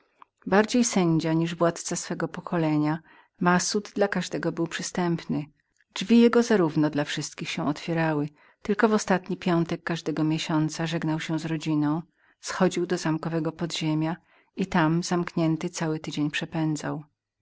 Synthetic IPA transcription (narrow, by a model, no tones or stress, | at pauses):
baɾd͡ʑejsɛɲd͡ʑaɲiʐvwat̪t̪sasfɛɡɔpɔkʰɔlɛɲa | masud̪d̪lakaʐd̪ɛɡɔbɘwpʂɘst̪ɛmpnɘ̥ | d͡ʐvʲijɛɡɔzaɾuvnɔd̪lafʂɘst̪̚kʲixɕɛ̃w̃ɔt̪fʲjɛɾawɘ | t̪ɘlkɔvɔst̪at̪ɲipʲjɔnt̪ɛkːaʐd̪ɛɡɔmʲjeɕɔnt̪saʐɛɡnawɕɛw̃zɾɔd͡ʑinɔ̃w̃ | sxɔd͡ʑiwd̪ɔzamkɔvɛɡɔpɔd̪ʑemʲja | it̪amzamkɲɛnt̪ɘt̪sawɘt̪ɘd͡ʑeɲpʂɛpɛnd̪zaw